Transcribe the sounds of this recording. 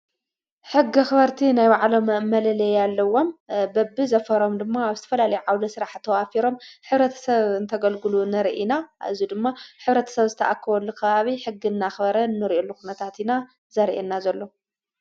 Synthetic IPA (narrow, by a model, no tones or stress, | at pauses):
ħɨɡːixɨβɐɾt̪ʰinajwaʕlo̞mɐmːɐlɐlɐjalːɐwo̞mbɐbːizɐfɐɾo̞md̪ɨmːaːβzɨt̪ʰɐ̥fɐlalɐjuʕawd̪ɐsɨɾaħt̪ʰɐwafiɾo̞mħɨβɾɐt̪ʰɐ̥sɐβɨnt̪ʰɐɡɐlɡɨlunɨɾʔina̰ɨzid̪ɨmːaħɨβɾɐt̪ʰɐ̥sɐβzɨt̪ʰɐʔakʰːɐβɐlːukʰɐβaβiħɨɡːinːaxbɐɾɐnːɨɾʔelːukunɐt̪ʰat̪ina | zɐɾʔenːazɐlːo̞